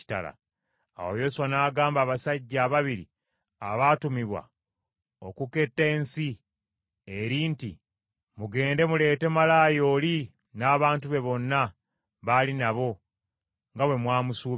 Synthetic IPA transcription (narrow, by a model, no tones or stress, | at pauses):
i̥ta̰la̰ | a̰wo̰jo̞suwanaːɡaːmbaːβasaɟːaːβaβiɾḭ | a̰βaːtumiβwa̰ | okuke̞tːe̞ːnsi | eɾiːnti | muɡe̞ːnde̞mule̞ːte̞malaːjo̞ːli | naːβaːntuβe̞βo̞nːa | βalinaβo̞ | ŋɡawe̞mwaːmusuː